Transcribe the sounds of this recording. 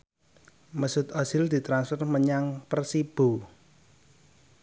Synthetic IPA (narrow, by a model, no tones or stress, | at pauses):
məsʊt̪ɔsild̪̥i̤t̪ɾansfərməɲaŋpərsib̥o̤